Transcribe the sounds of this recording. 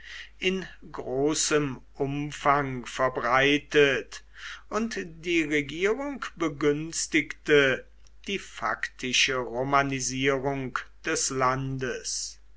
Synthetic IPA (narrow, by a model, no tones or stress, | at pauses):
ʔɪnɡʁoːsəmʔʊmfaŋfɛɐbʁaɪtət | ʊntdiːʁeɡiːʁʊŋkb̥əɡʏnstɪktə | d̥iːfa̰ktʰɪʃəʁomaniziːʁʊŋkd̥ɛslandəs